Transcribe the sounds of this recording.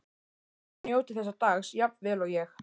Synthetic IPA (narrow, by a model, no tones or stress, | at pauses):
njoːwt̪ɪ̥θɛsːat̪aːxsjap̪vɛːlɔɣjɛx